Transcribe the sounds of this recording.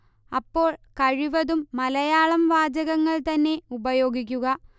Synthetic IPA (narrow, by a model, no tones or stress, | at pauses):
ɐpːo̞ːɭkɐɻiʋɐðumːɐlɐjaːɭɐmʋaːd͡ʑɐɣɐŋːɐɭt̪ɐnːe̞ubɐjo̞ːɡik̬ʲːuɣɐ